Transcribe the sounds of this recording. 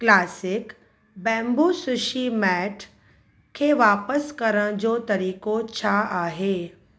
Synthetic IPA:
klaːsɪk | bɛ̃ːmbusʊʃimɛːʈʰ | kʰːeʋaːpəskɐɾə̃ɽ̃d͡ʑoːt̪ɐɾiːkot͡ɕʰaaːɦeː

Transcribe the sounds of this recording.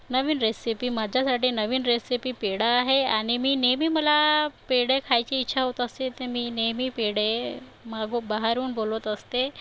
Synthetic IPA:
nəʋiːnɾesipiːmad͡ʑʱjasaʈiːnəʋiːnɾesipiːpeɽaːɦeaɽ̃imiːnemiːməlapeɽekʰajt͡ɕeit̪ːɕʰaɦot̪əst̪et̪emiːnemiːpeɽemaɡobaɦaɾuːnbolət̪əst̪e

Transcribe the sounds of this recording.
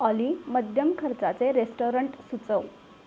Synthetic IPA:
əliməd̪ʱjəmkʰəɾt͡sat͡seɾesʈoɾəɳʈsut͡səw

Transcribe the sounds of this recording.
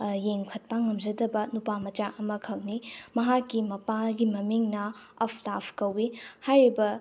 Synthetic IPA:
jeŋkʰɐt̚paŋːɐmzɐdɐbɐnupamɐt͡ʃaʔɐmɐkʰɐk̚nimɐɦakːimɐpaɡimɐmiŋnɐɐpʰtapʰkɐwihajɾibɐ

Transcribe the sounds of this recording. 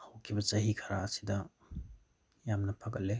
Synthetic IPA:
hawkʰibɐt͡ʃɐɦikʰɐɾaːsi̥dɐ | jamnɐpʰɐɡɐle

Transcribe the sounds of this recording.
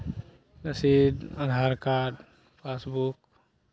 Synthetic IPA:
nəsid̪ad̪ʱaɾkaɖ | pʰasbuk

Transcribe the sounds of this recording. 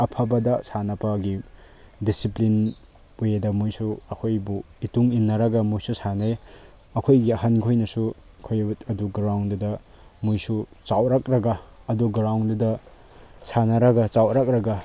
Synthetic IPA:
ɐpʰabɐdɐsanɐpɐɡi | disiplin | ujedɐmujsuɐkʰojbu | ituŋinːɐɾɐɡɐmujsusanaj | ɐkʰojɡiɐɦankʰojnɐsu | kʰojtɐduɡɾawndudɐ | mujsut͡ʃawɾak̚ɾɐɡa | ɐduɡɾawndudɐ | sanɐɾɐɡat͡ʃawɾak̚ɾɐɡa

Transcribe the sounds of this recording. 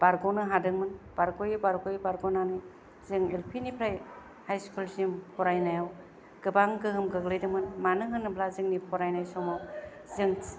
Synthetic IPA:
b̥aɾɡɔnɯɦadɯŋmɯnb̥aɾɡojibaɾkojbaɾɡɔnanɯ | z̥ɯŋelpʰinipʰɾaj | hajskulsimpʰɔɾajnajaw | ɡ̥ɯbaŋɡɯɦɯmɡɯɡlɯjdɯŋmɯnmanɯɦɯnɯblazɯŋnipʰɔɾajnajsɔmaw | zɯŋ

